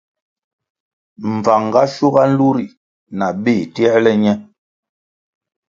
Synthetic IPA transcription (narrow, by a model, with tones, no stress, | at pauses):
m̩˨va˨ŋ˨ɡa˦ʃu˦ɣa˦n̩˦lu˦ɾi˨ | na˨ɓe˦˨tɛ˦ɾlɛ˦ɲɛ˦